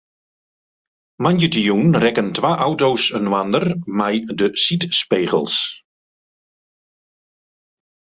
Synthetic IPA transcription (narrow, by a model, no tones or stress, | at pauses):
manjətijunrɛkəntʋaːʔawtowsənwandərmɛjdəsitspeːɣə̰lˠs